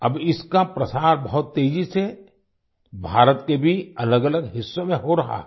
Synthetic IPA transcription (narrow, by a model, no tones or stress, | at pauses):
ɐbɪskapɾɐsaːɾbɐɦʊt̪ːeːd͡ʒise | bʱaːɾət̪kebʱiɐləɡələɡɦɪsːõmẽɦoɾɐɦa̰